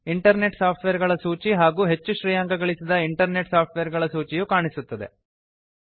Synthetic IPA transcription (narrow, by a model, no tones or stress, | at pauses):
iɳʈɐɾne̞ʈsaːpʰʈʋeɾɡɐɭɐsuːt͡ʃiɦaːɡuːɦe̞t͡ʃːuʃɾiːjaːŋɡɐɡɐɭisid̪ɐiɳʈɐɾneʈsaːp̚ʰʈʋeːɾɡɐɭɐsuːt͡ʃijukaːɳisut̪ːɐd̪e̞̰